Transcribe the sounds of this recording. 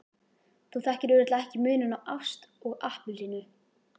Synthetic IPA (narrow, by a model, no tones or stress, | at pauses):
θuθɛhcɪɾʏɾɪt̪laɛhcɪmʏːnʏnawʔawfst̪ɔɣahpʏlinʏ